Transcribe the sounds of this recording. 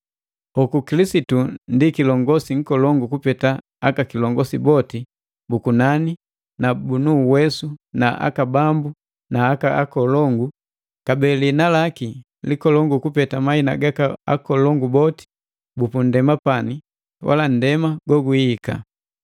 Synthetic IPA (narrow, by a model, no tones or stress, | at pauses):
hɔkukilisitundikilɔŋɡɔsiŋ̩kɔlɔŋɡukupɛta | akakilɔŋɡɔsibɔti | bukunani | nabunuwɛsunaʔa̰kabambu | naːkaa̰kɔlɔŋɡu | kabɛlinalaki | likɔlɔŋɡukupɛtamaina̰ɡakaa̰kɔlɔŋɡubɔti̥ | bupun̩dɛmapani | wa̰lan̩dɛmaɡwɔɡuika̰